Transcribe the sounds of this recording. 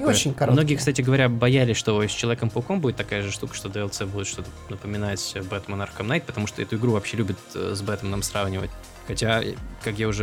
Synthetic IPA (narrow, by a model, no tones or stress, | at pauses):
ot͡ɕɪnʲkɐɾmmno̞ɡʲɪjəkst̪atʲɪɡəvɐɾʲabɐjælʲɪsʲʂt̪osʲt͡ɕɪlˠɐvʲekəmpəʊkombudʲɪt̪ːɐkajəʐɨʂt̪ukə̥ʂt̪o̞d̪əɛlˠsɛbudʲɪt̪ʂt̪o̞t̪ə | nəpəmʲɪnatʲbɛt̪mɐnarxəmnajt̪̚pət̪ɐmuʂt̪oɛt̪ʊɪɡɾuvɐpɕːelʲʉbʲɪt̪zbɛt̪əmnamsravnʲɪvə̰tʲ | xɐtʲakakjaʊʐɛ